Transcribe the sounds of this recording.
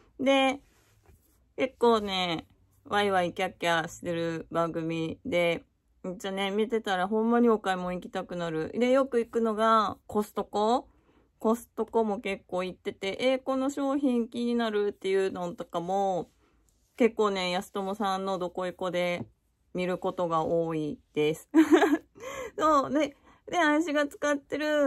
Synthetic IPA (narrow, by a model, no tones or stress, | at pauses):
d̪e̞ | ke̞kːo̞ːne̞ | βaiβaikʲiakeaɕi̥t̪e̞ɾɯ̟bãŋɡɯ̟mʲid̪e̞ | t͡ɕane̞mʲit̪e̞t̪aɾaɦõ̞mːaɲ̟io̞kaimo̞ikʲi̥t̪akɯ̟naɾɯ̟d̪e̞jo̞kɯ̟ikɯ̟no̞ɡako̞sɨ̥t̪o̞ko̞ | ko̞sɨ̥t̪o̞ko̞mo̞ke̞kːo̞ːit̪ːe̞t̪e̞ʔe̞ko̞no̞ɕo̞ːçĩŋkʲiɲ̟inaɾɯ̟t̪ːe̞jɯ̟no̞t̪o̞kamo̞ | ke̞kːo̞ːne̞jasɨ̥t̪o̞mosãnːo̞d̪o̞ko̞iko̞d̪e̞ | mʲiɾɯ̟ko̞t̪o̞ɡaoːid̪̥e̞sɨ̥ | so̞ːd̪e̞ | d̪e̞ãĩɕiɡat͡sɨ̥kat̪ːe̞ɾɯ̟